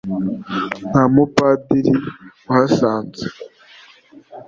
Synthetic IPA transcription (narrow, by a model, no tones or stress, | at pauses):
namupadiɾiuhasaːnt͡sḁ